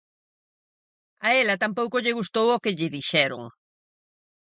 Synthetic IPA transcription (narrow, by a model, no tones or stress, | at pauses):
aɛlɐt̪ampowkoʎɪɣust̪owokɪʎɪðiʃɛɾʊ̰ŋ